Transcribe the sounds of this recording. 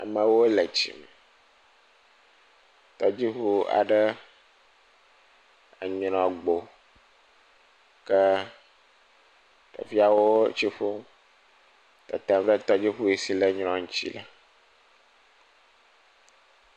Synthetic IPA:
a̰˨mə̃˨wo˦lə˨t͡ɕḭ˨mɛ˨ | t̪ɔ˦d͡ʑi˦xu˦a̰˨ɖə˦ | a̰˨ɲɾɔ̃˨ɡ͡bo˨ | kə˦ | t̪ɔ̰˨vi˦a˨wo˦t͡ɕi˦ɸo˦m | t̪ɔ̰˨t̪a˨m˦ɖə˦t̪ɔ˦d͡ʑi˦ɸu˦e˨si˦lə˦ɲɾ̃ɔ̃˨ŋũ˦t͡ɕḭ˦la˨

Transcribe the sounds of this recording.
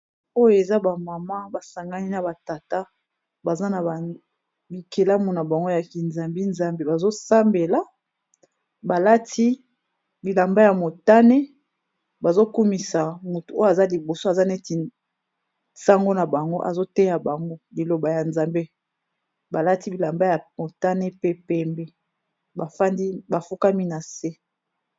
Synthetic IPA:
o˦jo˨e˨za˦ba˨ma˨ma˦ba˨sa˨ŋɡa˦ni˦na˨ba˨ta˨ta˦ | ba˨za˦na˨a˨ | bi˨ke˨la˦mu˨na˨ba˨ŋɡo˦ja˨ki˨nza˨mbe˦nza˦mbe˦ba˨zo˦sa˦mbe˨la˨ | ba˨la˦tʰi˦ | bi˨la˨mba˦ja˨mo˨ta˦ne˦ | ba˨zo˦ku˦mi˨sa˨mu˨tu˨o˦a˨za˦li˨bo˨so˦a˨za˦ne˦ti˨ | sa˦ŋɡo˦na˨ba˨ŋɡo˦ʔa̰˨zo˦te˦ja˨ba˨ŋɡo˦li˨lo˨ba˨ja˨nza˨mbe˦ | ba˨la˦ti˦bi˨la˨mba˦ja˨mo˨ta˦ne˦pe˦pɛ˦mbe˦ | ba˨fa˦ndi˦ba˨fu˦ka˦mi˦na˨se˦

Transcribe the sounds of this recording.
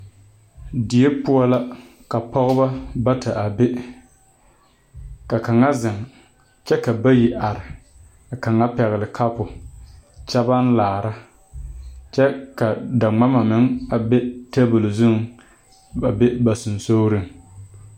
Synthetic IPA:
dɪ˨ɛ˦pu˦ɔ˦la˦ | ka˨pɔ˦ɣʊ˦ba˦ba˦ta˨ʔa˨be˦ | ka˨ka˨ŋa˦zɪ˨ŋ | t͡ʃɛ˦ka˨ba˦ji˨ʔa˨ɾɪ˨ | a˨ka˨ŋa˦pɛ˨ɣɪ˨lɪ˨kʰa˦pʊ˨ | t͡ʃɛ˦ba˦n̩˦laː˨ɾa˦ | t͡ʃɛ˦ka˨da˨ŋ͡ma˦ma˨mɪ˦ŋa˨be˦ta˦bɨ˨lzʊ˦ŋ | a˨be˦ba˨sʊ˨n˨so˦ɾɪ˦˨ŋ

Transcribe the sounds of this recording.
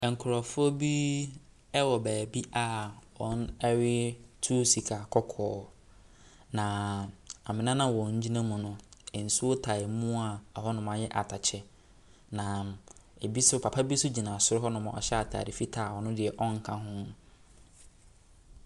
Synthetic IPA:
ŋ̩˨kʰʊ˨ɾɔ˨fʊ˦ɔ˦bi˦ | ɛ˦wɔ˨bæː˨bi˦ʔa˨wɔ̃˨˦n˦ɛ˦ɥɪ˦tʰu˦si˨kʰa˨kʰɔ˦kʰɔː˨˦ | nã˨a˨mɪ̃˨nã˦nã˦wɔ̃˨ɲ̩˦d͡ʑi˦nã˦mʊ̃˨nʊ̃˦˨n̩˨su˦o˦tʰa˨ɪ˨mũ˦a˨ɔ˨ɦɔ˦nʊ̃˨mã˨jɛ˦ʔa̰˨tʰa˨t͡ɕʰɛ˦ | nã˨e˨bi˦sʊ˦pʰa˨pʰa˦bi˦sʊ˦d͡ʑi˨nã˨sʊ˦ɾʊ˦ɦɔ˦nʊ̃˨mã̰˨ʔɔ̰˨ɕɛ˦a˨tʰa̰ː˨ɾɪ˨fi˦tʰa˨wɔ˨nʊ̃˦dɪ˨ɛ˨ʔɔ̃˦ŋ̩˨kʰã˦ɦʊ̃˦m

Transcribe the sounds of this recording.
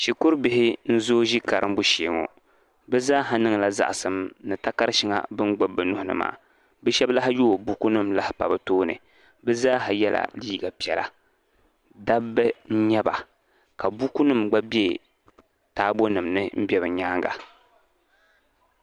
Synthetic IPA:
ʃi˨kʊ˦ɾbɪ˦hɪ˦n̩˦zoː˦ʒi˦ka˨ɾɨ˦m˦bu˦ʃe˨ŋo̰˨ | bɨ˦zaː˦ɦa˦nɨ˦ŋ˨la˨za̰˨ʔsɨ˨mnɨ˨ta˦ka˦ɾʃi˦ŋa̰˨bɨ˦nɡ͡bʊ˦bːɨ˨nʊ˦hʊ˨nɨ̰˦ma̰ː˨ | bɨ˦ʃɛ˦bla˦ɦɪ˦jo˦˨bu˦ku˦nɨ˦mla˦hɪ˦pa̰˨bɨ˨toː˦nɨ̰˨ | bɨ˦zaː˦ɦa˨jɛ˦lʔa̰˨liː˦ɡa˨pi˨ɛ˨lʔa̰˨ | da˦bːɨ˦n̩˦ɲɛ˦ba̰˨ | ka˨bu˦ku˦nɨ˦mɡ͡ba˦bi˦e˦˨ | taː˦bo˦nɨ˨mnɨ˦m̩˦bʲɛ˦βɨ˨ɲaː˦ŋɡa̰˨

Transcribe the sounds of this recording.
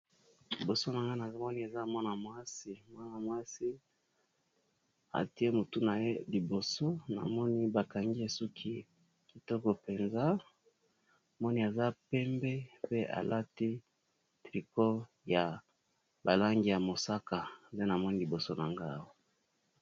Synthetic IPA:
li˨bo˨so˦na˨ŋɡa˦na˨˦mɔ˦ni˦e˨za˦mɔ˦na˨mwa˦si˦mwa˦na˨mwa˦si˦ | a̰˨ti˦e˦mo˨tu˦na˨je˦li˨bo˨so˦na̰˨mɔ˦ni˦ba˨ka˨ŋɡi˦e˨su˦kʰi˦ | ki˨tɔ˦kɔ˨pe˨nza˦˨ | mɔ˦ni˦a˨za˦pɛ˦mbe˦pe˦ʔa̰˨lʔa˦ti˦ | tʁi˨ko˦ | ja˨ | ba˨la˦ŋɡi˨ja˨mo˨sa˦ka˨de˦na˨mɔ˦ni˦li˨bo˨so˦na˨ŋɡa˦˨wa˦˨

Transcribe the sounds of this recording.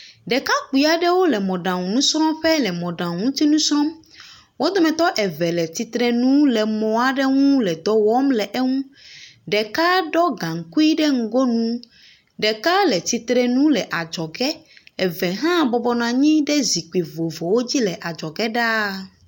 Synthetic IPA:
ɖɛ˨ka˦k͡pui˨a˨ɖɛ˦wo˦lɛ˨mɔ̃˨ɖã˨ŋũ˨nũ˦sɾ̃ɔ̃˦ɸɛ˦lɛ˨mɔ̃˨ɖã˨ŋũ˦t̪i˦nũ˦sɾɔ̃˦m | wʔo˦d̪ɔ˦mɛ̃˨t̪ɔ˦ʔɛ˨vɛ˨lɛ˨t̪i˨t̪ɾɛ˦nũ˦lɛ˨mɔ̃˨a˨ɖɛ˦ŋũ˦lɛ˨d̪ɔ˨wɔ˦mlɛ˨ʔɛ˦ŋũ˦ɖɛ˨ka˦ɖɔ˦ɡã˨ŋ̩˨ku˦i˦ɖɛ˦ŋ̩˦˨ɡo˦nũ˦ | ɖɛ˨ka˦lɛ˨t̪i˨˦t̪ɾɛ˦nũ˦lɛ˨ʔa˨d͡ʒɔ˨ɡɛ˦ɛ˨vɛ˨ɦã˦bɔ˨bɔ˨nã˨ɲĩ˦ɖɛ˦zi˨k͡pi˨vo˨vo˨wo˦d͡ʑi˦lɛ˨ʔa˨d͡ʒɔ˨ɡɛ˦ɖa˦

